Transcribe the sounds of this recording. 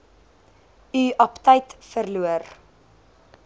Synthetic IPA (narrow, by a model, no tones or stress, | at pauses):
yʔɐptəjtfərluər